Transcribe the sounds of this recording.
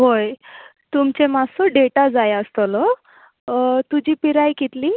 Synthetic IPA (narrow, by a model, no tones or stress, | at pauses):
ɦoj | t̪umt͡ɕemasɔɖeʈad͡zajəst̪ɔlɔ | t̪ud͡ʑiːpiɾajkit̪li